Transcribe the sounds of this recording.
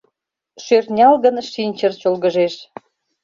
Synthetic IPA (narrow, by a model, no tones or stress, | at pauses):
ʃørnʲɑlɣənʃinʲt͡ɕərt͡ɕolɣəʒeʃ